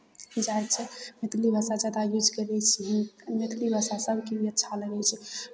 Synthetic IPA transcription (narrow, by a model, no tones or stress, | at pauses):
d͡ʒaj̪t͡ʃʰɛmet̪libʱasad͡ʒad̪ajud͡ʒkəɾɛt͡ʃʰɛɦmet̪libʱasasəbʱkiiətːʃʰaləɡɛt͡ʃʰɛ